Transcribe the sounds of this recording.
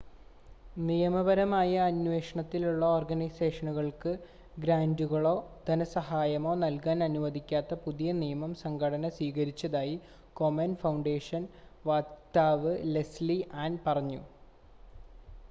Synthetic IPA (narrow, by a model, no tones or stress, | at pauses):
nijɐmɐbɐɾɐmaːjɐːnʋe̞ːʂɐɳɐt̪ːiluɭːɐoːrɡɐnɐjse̞ːʂɐnuɣɐɭkɨ | ɡɾaːnduɣɐɭo̞ːd̪̥ɐnɐsɐɦaːjɐmo̞ːnɐlkaːnɐnuʋɐd̪ikʲːaːt̪ːɐpuðijɐnijɐmɐmsɐŋɡʰʱɐɽɐnɐswiːɣɐɾit͡ɕːɐðaːji | ko̞mɐnfɐwɳɖe̞ːʂɐnʋaːt̪ːaːʋɨle̞sliʔaːnpɐrɐɲːṵ